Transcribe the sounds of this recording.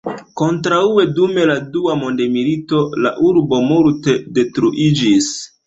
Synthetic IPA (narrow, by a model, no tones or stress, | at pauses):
ko̞ntɾaue̞dume̞laduamo̞nde̞milito̞la̰ʔuɾbo̞multe̞de̞tɾuʔid͡ʒis